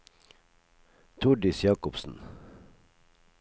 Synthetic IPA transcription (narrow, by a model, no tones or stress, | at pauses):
t̪ʰʊɖɪsjɑːkʊpsn̩